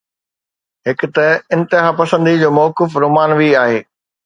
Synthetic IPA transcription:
ɦɪkʊt̪ɐɪ̃nt̪ɪɦaːpɐsə̃nd̪id͡ʑoːmɔːkɪfɾoːmaːnʋiaːɦeː

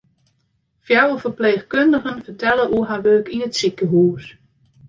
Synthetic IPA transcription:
fjawəfəɹpleːxkøndəɣənfəɹtɛləʔuəɦaʋøːkinətsɪkəɦuːs

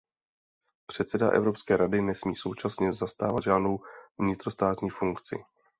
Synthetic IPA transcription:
pr̝̥ɛt̪t͡sɛdaʔɛ̰vɾo̞pskɛːɾadɪnɛsmḭːso̞wt͡ʃasɲɛzast̪aːvat̪d̪ʒaːdno̞wvvɲɪt̪ɾo̞st̪aːt̪ɲiːfuŋkt͡sɪ̰

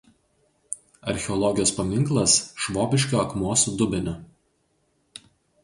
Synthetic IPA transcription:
ɐ̰ɾʲxʲɛɔlˠɔɡʲɪjoːspɐmʲɪŋklˠɐsʃʋɔːbʲɪʃʲkʲoːɐkmuɔsʊd̪ʊbʲɪnʲʊ

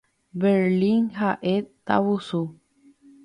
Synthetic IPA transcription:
beɾliŋhaʔet̪ːa̰wusu

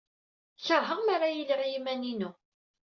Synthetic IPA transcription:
çəɾɦəʁmaɾajələʁjimæninu

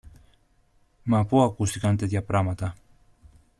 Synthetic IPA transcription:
mapoakust̪ikant̪etd̪japɾamat̪a

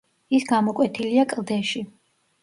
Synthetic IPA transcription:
isɡamɔkʼwɛt̪ʰiliakʼlˠd̪ɛʃi

